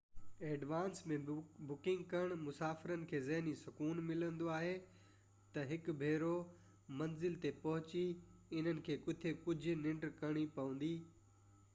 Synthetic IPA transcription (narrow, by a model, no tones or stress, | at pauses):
eːɖʋaːnsmẽbʊkɪ̃ŋɡkɐɽ̃mʊsaːfɪɾənɪ̆kʰeːzɐɦnisɐkuːnmɪlə̃nd̪oaːɦe | t̪ɐɦɪkʊbʱeːɾo | mɐnzɪlt̪epɐɦʊt͡ɕiɪn̤ənɪ̆kʰeːkʊt̪ʰekʊd͡ʑʱʊ̆nɪ̃ɳʈkɐɽ̃ipɐʋə̃nd̪iː